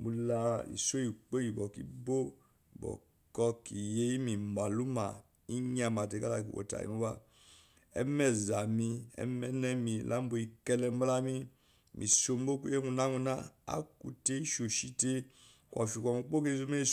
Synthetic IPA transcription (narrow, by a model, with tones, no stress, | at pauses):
bu˨la˦ḭ˨so˦ji˨k͡po˦ji˨bɔ˨kḭ˦bo˦ | i˨bɔ̰˨ | kɔ˦ki˨je˦i˦mi˨mba˨lu˦ma˨ | i˦ɲa˨ma˨te˨ka˦la˨kḭ˨o̰˨ta̰˨ḭ˨mu˦ba˦ | ɛ̰˦mɛ˨za˨mi˧ɛ̰˦mɛ˦nɛ˦mi˨lʔa˦m˦bo˨i˦˨kɛ˦lɛ˦m˦a˦la˦mi˦ | mʔi˨so˨m˦bo˦ku˦e˦mu˧˨na˦mu˧na˦a̰˦kṵ˨te˦i˦ʃo˨ʃi˦te˦ | kʷa̰˨fi˨kʷa˨mu˨k͡po˦ke˦zo˦me˦i˦˨